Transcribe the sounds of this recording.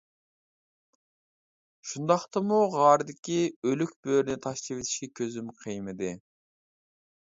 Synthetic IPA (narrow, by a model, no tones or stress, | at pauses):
ʃund̪ɑχt̪ɑmuʁɑːɾd̪ɪkʲiølykʲb̥øɾnɪt̪ʰɑʃliwet̪ʰi̥ʃkʲɛkʲʰøzymqʰɨjmɨd̪ɨ